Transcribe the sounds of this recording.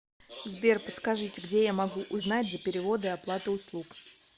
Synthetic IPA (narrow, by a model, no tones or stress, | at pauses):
zbʲe̞rpət̪skɐʐɨtʲɪɡdʲe̞jamɐɡuʔʊznat̚ʲzəpʲɪɾʲɪvo̞d̪ɨɐplˠat̪əʊslˠuk